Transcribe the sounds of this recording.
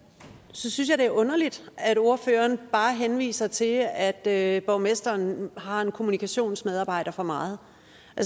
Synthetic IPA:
sɒ̽synsjɑ̈d̥e̝æɐʔɔ̽nɐlid̥æɾ̥o̝ɐfø̰ːɐnb̥ɑ̈ːɦenʋḭːsɐt͡sʰe̝læd̥øb̥ɒʊmesd̥ɐːnhɑ̈e̝nkʰo̝munikʰæɕo̝̰ːnsmeð̞ˠɑ̈ːb̥ɑ̈ɪ̰d̥ɐfɒ̽mɑ̈ːð̩ˠ | æls

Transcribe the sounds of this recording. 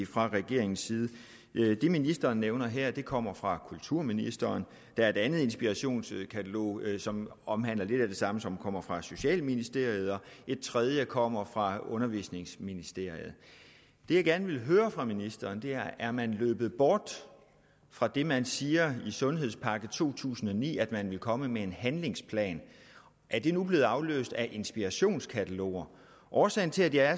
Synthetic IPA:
fʁɑ̈ʁɛɡ̥e̝ɐe̝ŋn̩siːð̞ˠ | d̥e̝minisd̥ɐːnːeʊnɐɦɛɐ̰d̥e̝kʰɒ̽m̰ɐfʁɑ̈kʰult͡sʰuɐ̰minisd̥ɐːn | d̥æɐe̝d̥ænð̞̩ˠe̝nsb̥iʁɑɕo̝̰ːnskʰæt͡sʰælo̝̰ːsɒ̽mɒ̽mɦæn̰lɐle̝d̥æd̥e̝sɑ̈məsɒ̽mkʰɒ̽m̰ɐfʁɑ̈so̝ɕɛ̰ːlminisd̥e̝ɐ̰ið̞̩ˠɒ̽e̝d̥̚t͡sʰʁɛð̞ˠjəkʰɒ̽m̰ɐfʁɑ̈ɔ̽nɐʋḭsne̝ŋsminisd̥e̝ɐ̰ið̞̩ˠ | d̥e̝jɑ̈ɡ̥æɐnəʋe̝lɦøːɐfʁɑ̈minisd̥ɐːnd̥e̝æɐʔæɐmænløːb̥ð̩ˠb̥ɒːd̥ | fʁɑ̈d̥e̝mænsiːɐisɔ̽nɦe̝ð̞ˠspʰɑ̈ɡ̥ð̩ˠt͡sʰo̝̰ːt͡sʰṵːsn̩ɒ̽nḭːæd̥mænʋe̝lkʰɒ̽məmee̝nhænle̝ŋspʰlɛ̰ːn | ʔæɐd̥e̝nub̥le̝ːð̩ˠɑ̈ʊlø̰ːsd̥æʔe̝nsb̥iʁɑɕo̝̰ːnskʰæt͡sʰælo̰ːɐ | ʔɒːsɛɪn̩t͡sʰe̝læd̥jɑæɐ

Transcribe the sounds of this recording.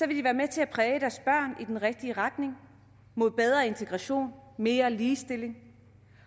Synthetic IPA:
sɒ̽ʋe̝ldiʋæːɐmet͡sʰe̝æpʰʁɛːəd̥æɐsb̥ɶɐ̰nid̥enʁɛɡ̥̚d̥iəʁɑ̈d̥ne̝ŋ | mo̝ð̞̰ˠb̥eð̞ˠʁɐe̝nt͡sʰeɡ̥ʁɑ̈ɕo̝̰ːnme̝ːɐliːsd̥e̝le̝ŋ

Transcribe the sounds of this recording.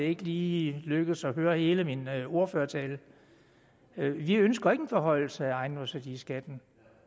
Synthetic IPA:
e̝ɡ̥əliːløɡ̥ð̩ˠsɒ̽høːɐhe̝ːləmino̝ɐføːɐt͡sʰɛːl | ʋiønsɡ̥ɐe̝ɡ̥ən̩fɒɦɒ̽ɪ̰l̩səæɑ̈ɪnɒsæd̥iːsɡ̥æd̥n̩

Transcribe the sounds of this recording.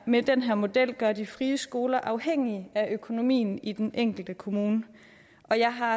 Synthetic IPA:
med̥enɦæɐmo̝d̥el̰ɡ̥ɶɐd̥ifʁiːəsɡ̥o̝ːlɐʔɑ̈ʊheŋ̰iæʔøkʰo̝no̝mḭːn̩id̥eneŋ̰ɡ̥l̩d̥əkʰo̝muːnə | ʔɒ̽jɑ̈ɪɦɑ̈

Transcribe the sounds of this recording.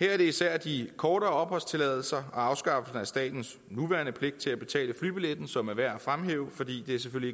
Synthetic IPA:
hæɐ̰æɐd̥e̝isæɐ̰d̥ikʰɒːɾɐːɒ̽b̥hɒ̽lst͡sʰe̝lɛðˠl̩sɐɒ̽ɑ̈ʊsɡ̥ɑ̈fl̩sn̩æsd̥ɛ̰ːd̥n̩s | nuʋæɐnəpʰle̝ɡ̥̚d̥̚t͡sʰe̝læb̥e̝t͡sʰɛ̰ːləfly̰ːb̥iled̥n̩sɒ̽mæɐʋæɐ̰fʁamɦḛːʊəfɒ̽d̥ḭːd̥e̝æɐs̬eføl̰ie

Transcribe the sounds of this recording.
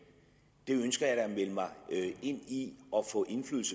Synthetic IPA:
d̥e̝ønsɡ̥ɐjɑ̥̈æmeləmɑ̈ɪe̝n̰iɒ̽fɔ̰̽ːʔe̝nflyːðl̩sə

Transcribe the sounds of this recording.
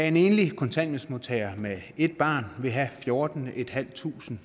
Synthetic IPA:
æe̝ne̝ːnlikʰɒ̽nt͡sʰæn̰josmo̝t͡sʰɛɪɐmee̝d̥̚b̥ɑ̈ːnʋe̝ɦæfjo̝ːɐd̥n̩e̝d̥hæl̰t͡sʰṵːsn̩

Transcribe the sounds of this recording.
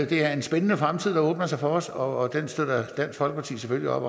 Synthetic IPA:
d̥e̝æɐe̝nsb̥enənəfʁamt͡sʰið̞̰ˠd̥ɔːb̥nɐsɑ̈ɪfɒːsɒ̽ːd̥ensd̥øð̰ˠɐd̥æn̰sɡ̥fɒ̽l̰ɡ̥əpʰɑ̈t͡sʰḭːsefølliɒ̽b̥

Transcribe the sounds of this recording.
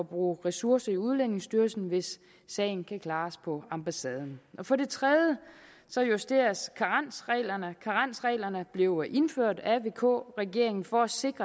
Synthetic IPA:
ɒ̽b̥ʁṵːʁɛsuɐsɐiuð̞ˠlen̰e̝ŋsd̥yɐlsn̩ʋe̝sː | ɛ̰ɪn̩kʰækʰlɑ̈ːspʰɒ̽ɑ̈mb̥æsɛːð̞ˠn̩ʔɒ̽fɒ̽d̥e̝t͡sʰʁɛðˠjə | sɒ̽jusd̥e̝ɐɐskʰɑ̈ʁan̰sʁɛ̰ːlɐnəkʰɑ̈ʁɑn̰sʁɛ̰ːlɐnəb̥leʊʔe̝nføɐ̰d̥æʋe̝ːkʰɔ̰ːʁɛɡ̥e̝ɐ̰e̝ŋn̩fɒ̽æse̝ɡ̥ʁɐ

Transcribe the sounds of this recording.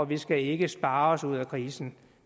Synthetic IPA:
ɒʋisɡ̥æe̝ɡ̥əsb̥ɑ̈ːɒsuð̞̰ˠækʰʁiːsn̩

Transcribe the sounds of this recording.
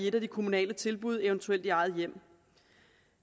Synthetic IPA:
ie̝d̥æd̥ikʰo̝munɛ̰ːlət͡sʰe̝lb̥uð̞̰ˠeʊnt͡sʰuel̰d̥iɑ̈ɪð̞̩ˠjem̰

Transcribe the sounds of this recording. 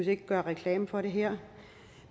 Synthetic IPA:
se̝ɡ̥əɡ̥ɶɐʁɛkʰlɛːmfɒ̽ɾe̝ɦeɐ̰

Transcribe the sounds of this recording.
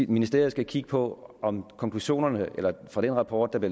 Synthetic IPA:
minisd̥ḛɐ̰ð̩ˠsɡ̥ækʰiɡ̥ə̥pʰɒ̽ɒ̽mkʰɒ̽ŋkʰluɕo̝̰ːnɐnəelɐfʁɑ̈ɾ̥enʁɑ̈pʰɒ̰ːd̥ːɑ̈b̥le

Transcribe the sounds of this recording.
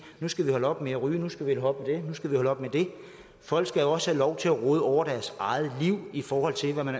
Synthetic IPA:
nusɡ̥æʋihɒ̽ləɒ̽b̥meæʁyːnusɡ̥æʋielɒ̽b̥̚med̥e̝nusɡ̥æʋihɒ̽ləɒ̽b̥med̥e̝ | fɒ̽l̰ɡ̥sɡ̥æɒ̽səhælɒʊt͡sʰe̝læʁoð̞ˠɒʊ̰ɐd̥æɐsɑ̈ɪð̩ˠliʊ̰ifɒːhɒ̽l̰t͡sʰe̝lʋæmæn

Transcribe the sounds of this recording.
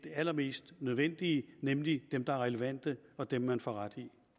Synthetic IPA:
d̥e̝æl̰ɐme̝̰ːsd̥nøð̞ˠʋen̰d̥iːnemlid̥emd̥ɑ̈ɐʁɛləʋæn̰d̥əɒ̽d̥emːænfɒʁad̥i

